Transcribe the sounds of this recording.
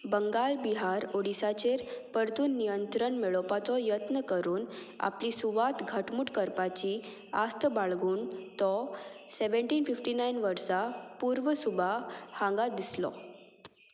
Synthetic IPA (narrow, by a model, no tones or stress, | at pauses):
bəŋɡalbiɦaɾoɽisat͡ɕeɾpəɾt̪uːnːijənt̪ɾəɳmeɭɔpat͡sɔjət̪nəkəɾuːn | a̰plisuʋat̪ɡʱəʈmuːʈkəɾpat͡ɕi | ast̪əbaɭɡuːnt̪ɔseʋəɳʈiːnfifʈinainʋəɾsapuɾʋəsubʱahãŋɡad̪islɔ̰